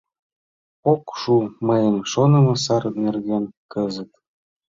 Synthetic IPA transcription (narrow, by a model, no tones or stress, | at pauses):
okʃuməjəmʃonɤ̆mɤ̆sɑɾɤ̆t̪nerɣenkəzə̆t̪̚